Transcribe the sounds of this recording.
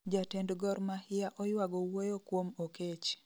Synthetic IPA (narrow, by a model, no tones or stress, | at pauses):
d͡ʒatendɡɔɾmahɪjaʔɔjwaɡɔwojokwomoket͡ʃ